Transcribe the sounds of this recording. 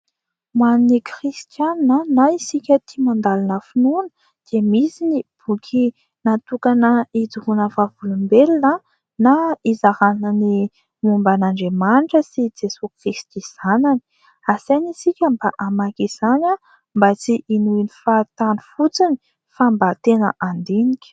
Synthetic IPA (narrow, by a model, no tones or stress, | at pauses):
mwaninikrist̪janːənaisikʲət̪imand̪alanəfinunə̥ | d̪̥emisinib̥ukʲʰi | nat̪ukanəid͡zuhunəvavulumbelinə | naizaɾaninəni | mumbanaɳɖ͡ʐemaɳʈ͡ʂəsid͡zesokrist̪iz̥anani̥ | asenisikʲəmbaʔamakiz̥ana | mbat͡siʔinuinifat̪anu̥fut͡sini̥ | fambat̪enə̰ʔand̪enikʲə̥